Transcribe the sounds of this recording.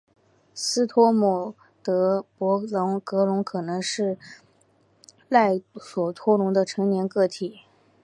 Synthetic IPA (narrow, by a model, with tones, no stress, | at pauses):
sɹ̩˥t̪ʰwɔ˥mɔ˨˩ | t̪ɤ˧˥pwɔ˧˥lʊ˧˥ŋkɤ˧˥lʊ˧˥ŋkʰɤ˨˩nɤ˧˥ŋʂɻ̩˥˧ | la˥˩ɪswɔ˨˩t̪ʰwɔ˥lʊ˧˥ŋd̪ə˧ʈ͡ʂʰɤ˧˥ŋnjɛ˧˥nkɤ˥˩t̪ʰi˨˩˦